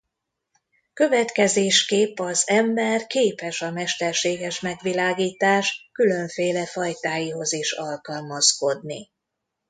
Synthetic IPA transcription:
kø̞vɛt̪kɛzeːʃkeːpɒzɛmbɛrkeːpɛʃɒmɛʃt̪ɛrʃeːɡɛʃmɛɡʋilaːɡiːt̪aːʃkylø̞ɱfeːlɛfɒjt̪aːjiɦo̞ziʃɒlkɒlmɒsko̞d̪nḭ

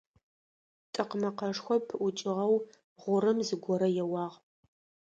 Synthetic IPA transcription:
tʼɨqmɐqɐʂxʷɔpʰʊt͡ʃʼɪʁɐw | ʁʷʊɾɨmzɨɡʷɔɾɐjɛwɑːʁ

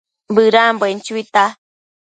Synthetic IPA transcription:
bɨɾambent͡ʃuit̪a

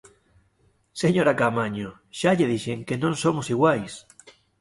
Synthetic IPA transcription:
seɲoɾakamaɲo | ʃaʎeðiʃeŋkenõŋsomosiɣwajs

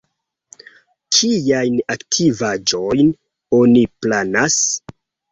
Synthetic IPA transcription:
kʰijajnaktʰivad͡ʒo̞jn | o̞niplanas

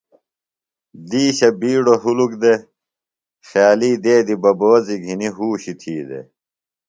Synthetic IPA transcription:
d̪iːɕɐbiːɽoɦulukd̪e | xjaːliːd̪eːd̪ibɐboːziɡʱiniɦuːɕit̪ʰiːd̪ḛ

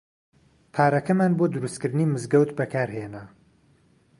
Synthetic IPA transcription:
pʰaːɾɐkɐmaːnbod̪ʊɾust̪kɨɾd̪ɨniːmɨzɡɐwt̪bɐkʰaːɾhenɐ

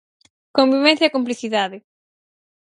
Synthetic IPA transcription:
kõmbiβɛ̃n̟θjɐkomp̬liθiðaðɪ

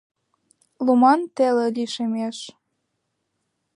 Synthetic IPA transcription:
lumɑnt̪elelʲiʃemeʃ

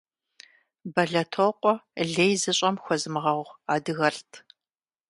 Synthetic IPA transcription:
bɐɮɐtʰoqʷʼɔɮejzɨɕʼɐmxʷɔzɨmɨʁɐʁʁaːdɨɣɐɬtʰ

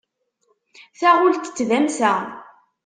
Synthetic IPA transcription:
θæʁʊlt̪ə̥t͡sːðæmsæ

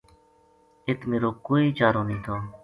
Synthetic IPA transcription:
ɪt̪ʰmeːɾoːkoːiːt͡ʃaːɾoːnĩːt̪ʰoː

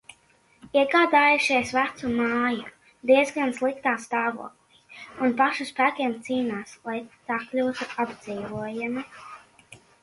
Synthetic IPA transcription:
iɛɡaːd̪aːjuʃiɛsvæt̪sumaːju | d̪iɛzɡanslˠikt̪aːst̪aːvṵɔːklˠiːunpaʃuspæːkʲiɛmt̪siːnaːslˠajt̪aklʲuːzuabd̪z̥iːvuɔjami

